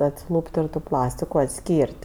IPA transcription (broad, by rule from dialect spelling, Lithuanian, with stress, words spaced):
ɐtʲsʲɪˈlˠuːpʲtʲ tʲɛn tʊ ˈplˠɑːsʲtʲɪkʊ ɐtʲˈsʲkʲiːrʲtʲ